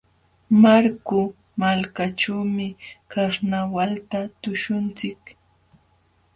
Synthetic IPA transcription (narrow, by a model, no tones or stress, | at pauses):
maɾkʊ | malkaʈ͡ʂaːmɪkɑχnawalt̪at̪ʊʃʊnt͡sɪk